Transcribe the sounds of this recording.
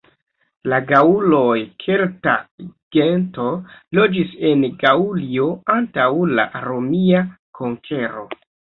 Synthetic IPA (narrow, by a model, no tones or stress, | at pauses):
laɡaulo̞jkʰelta̰ɡ̥ento̞lo̞d͡ʒise̞nɡaulio̞antawla̰ɾo̞mia | kʰoŋkʰe̞ɾo̞̰